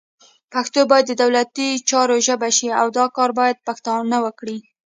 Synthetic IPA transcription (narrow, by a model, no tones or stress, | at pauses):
paxt̪obɑjad̪ːəd̪awlat̪it͡ʃɑɾoʒəbaʃiawd̪ɑkɑɾbɑjad̪̚paxt̪ɑnawəkɽi